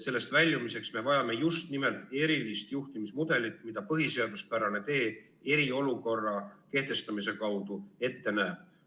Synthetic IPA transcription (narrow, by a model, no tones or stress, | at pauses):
se̞lːe̞st̪vælʲjumise̞ksme̞vɑjɑme̞just̪nime̞lt̪ːˑe̞ɾilist̪juht̪imismud̪̥e̞lit̪ːˑmid̪̥ɑpɤɦise̞ɑd̪̥uspæɾɑne̞t̪e̞ː | e̞ɾio̞luko̞rːɑke̞ht̪e̞st̪ɑmise̞kɑwd̪̥ue̞t̪ːe̞næːb̥̚